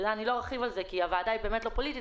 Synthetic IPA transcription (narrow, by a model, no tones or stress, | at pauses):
anilo̞ʁaχivalzekiavaːdajbe̞ːmetlo̞politi